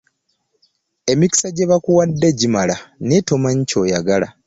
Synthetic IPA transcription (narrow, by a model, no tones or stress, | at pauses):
e̞miki̥saɟeβakuwadːe̞ɟimalaneto̞maɲco̞ːjaɡala̰